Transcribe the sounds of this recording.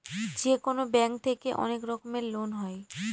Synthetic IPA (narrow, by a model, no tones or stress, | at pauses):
d͡ʑekonobɛŋk̚t̪ʰekeʔɔ̰nekɾɔkomeɾlonɦɔe